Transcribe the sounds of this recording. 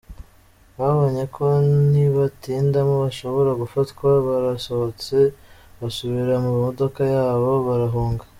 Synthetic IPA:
βaβo̞ɲe̞kʰo̞niβatiːndamoβaʃo̞βo̞ɾaɡufatkwaβaɾasoβot͡se̞βasuβiɾamumodo̞kajaːβo̞βaɾaɦuːŋɡḁ

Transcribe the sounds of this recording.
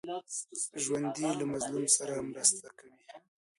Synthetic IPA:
ʒwand̪ilamazlumsaɾamɾəst̪akawi

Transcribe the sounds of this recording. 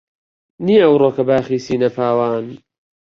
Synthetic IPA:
niːʔɐwroːkɐbaːxiːsiːnɐpʰaːwaːn

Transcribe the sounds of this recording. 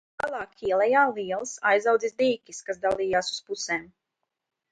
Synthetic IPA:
alˠɑːkʰʲiɛlˠɛjaːliːɛlˠsajzawd̪zisd̪iːkʲiskas̬d̪alˠiːjaːsu̥spuseːm

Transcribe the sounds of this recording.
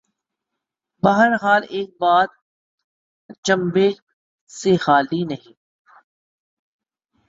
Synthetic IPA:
bɐɦəɾɦaːleːk̚baːt̪̚ | t͡ʃɐ̃mbeː | sexaːlinɐɦĩː

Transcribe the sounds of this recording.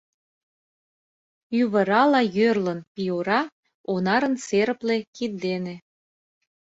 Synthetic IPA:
yβə̆ɾɑlɑjørlənpʲioɾɑ | onɑɾə̆nt͡seɾəplekid̪d̪ene

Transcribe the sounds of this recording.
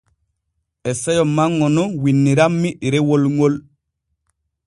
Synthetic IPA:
esejomːaŋːonowinːiɾamːiʔiɾewolŋol

